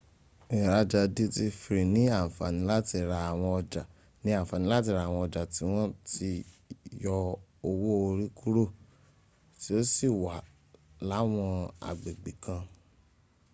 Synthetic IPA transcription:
ĩ˨ɾa˧d͡ʒa˧di˦ti˧fi˧ɾi˨nĩ˨˦a˦˨fa̰˨nĩ˨˦la˦ti˧˨ɾa˧a˨w̃ɔ̃˧ɔ˧da˨ | nĩ˨˦ã˦˨fa˨nĩ˨˦la˦t̬i˦˧ɾa˧˦˨w̃ɔ̃˧ɔ˧da˨ti˨˦w̃ɔ̃˦ti˧jɔ˧o˧wo˦o˧ɾi˦ku˦ɾo˦˨ | ti˦o˦si˦˨wa˨˦ | la˨˦w̃ɔ̃˧a̰˨ɡ͡be˨ɡ͡bi˨kã˧

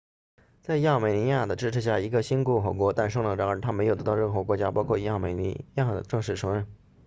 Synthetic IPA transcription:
t͡sa˥˧ɪja˥˩me˨˩ɪni˧˥ja˥˩d̪ə˩ʈ͡ʂɻ̩˥˧ʈ͡ʂ̩ʰ˥˩ɕja˥˩i˧˥ɡə˧ɕi˥nku˥˩xɔ˨˩kwɔ˧˥t̪a˥˩nʂɤ˥ŋlŋʈ͡ʂɑ˧˥ŋə˞˧˨˩t̪ʰa˥me˧˥ɪjt̪ɑ˥˧ʊɻə˥˩nxwɤ˧˥kwɔ˧˥t͡ɕja˥pɑ˥ʊkʰwɔ˥˩ja˥˩me˨˩ɪn̰˧˥ja˥˩d̪ə̰˩ʈ͡ʂɤ˥˧ŋʂɻ̩˥˩ʈ͡ʂʰɤ˧˥ŋɻə˥˩n

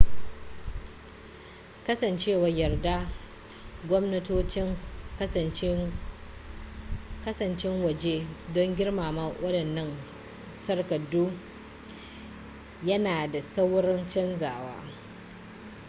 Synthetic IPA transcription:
kɐ˦sɐ˨nt͡ʃeː˦wa˨jɐ˨rdaː˦ | ɡʷɔ˦mnɐ˦toː˦t͡ʃɪ˦ŋ˨ | kɐ˦sɐ˨nt͡ʃɪ˦ŋwɐ˨d͡ʒeː˦dɔ˦ŋɡʲɪ˦rmaː˨ma˦wʔɐ˦dɐ˨nːɐ˦n | sɐ˦rkɐ˨duː˦ | jɐ˦naː˨da˨sɐ˦wɾɪ˦nt͡ʃɐ˦nzaː˨wa̰ː˦

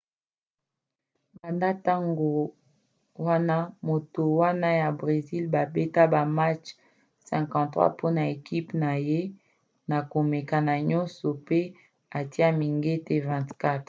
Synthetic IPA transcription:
ba˨nda˦ta˦ŋɡo˨ | wa˦na˦mo˨to˨wa˦na˦ja˨bʁe˨zi˦lba˨be˦ta˦ba˨ma˦t͡ʃ | sɛ̃˨kɑ̃˨tʁwa̰˦pʰo˦na˨e˨ki˦pna˨je˦ | na˨ko˨me˨ka˨na˨ɲɔ˦nsɔ˨pe˦ | a˨ti˦a˦mi˨ŋɡe˦te˦vɛ̃˨tka˦t

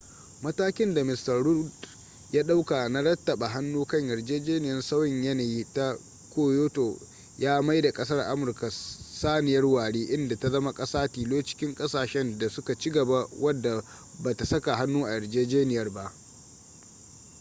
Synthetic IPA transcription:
mɐ˦taː˦kʲɪ˦nda˨mɪ˨stɐ˨rɽʊ˦d | jaː˦ɗa˦wka˨na˦ɽɐ˦tːɐ˨ɓa˨ɦa˦nːuː˦kɐ˦ɲjɐ˨rd͡ʒeː˦d͡ʒeː˦nɪ˨jɐ˦nsa˦wjɪ˨ɲjɐ˦na˨jiː˦ta˦ | kʷoː˦joː˦to˨ | jaː˦ma˦jda˨kʼɐ˦sɐ˦rʔa̰˦mʊ˨rka˨saː˦nɪ˨jɐ˦rwaː˨ɽeː˦ʔɪ˦nda˨ta˦zɐ˦ma˦kʼɐ˦saː˦tiː˨loː˦t͡ʃɪ̥˦kʲɪ˦ŋkʼɐ˦saː˨ʃɛ˦nda˨sʊ˦ka˨t͡ʃi˦ɡɐ˨ba˦wʔɐ˦dːa˨ | ba˨ta˨sɐ˦ka˨ɦa˦nːuː˦ʔa˨jɐ˨rd͡ʒeː˦d͡ʒeː˦nɪ˨jɐ˦rba˦ʔ

